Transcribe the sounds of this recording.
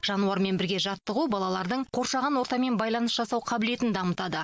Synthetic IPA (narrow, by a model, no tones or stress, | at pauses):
ʒ̥ɑnuɑɾme̞nbɪɾɡʲe̞ʒɑt̪ːəʁubɑlˠɑlˠɑɾd̪əɴqʰo̞ɾʃɑʁɑnwo̞ɾt̪ɑme̞nbɑjlˠɑnəsʒɑsɑwqʰɑbɪle̞t̪ɪnd̪ɑmət̪ɑd̪ə